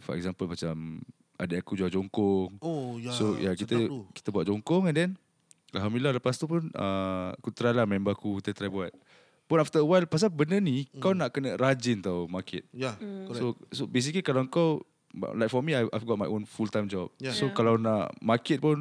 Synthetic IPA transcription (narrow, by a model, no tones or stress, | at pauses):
fɔ̰ʔɛ̰kzampəlmat͡ʃam | a̰daakud͡ʒuad͡ʒɔŋkɔŋosojʔakit̪əki̥t̪əbuat̪̚d͡ʒɔŋkɔŋɛ̃ndɛn | alɦamdlilaləpast̪upʊnə̰a̰kut̪ɾajlahmɛ̃mbakukit̪ət̪ɾajbuat̪̚ | pʊnaft̪əwajlpas̬abənənikawnaʔkənəɾad͡ʒint̪awmakʰɪ̰t̪̚sosobes̬iklikalawŋkaw̰ | lajk̚fɔmiajajvɡɔt̚majʔõnfult̪ãjmd͡ʒɔp̚sokalawnaʔmakɪt̪̚pʊn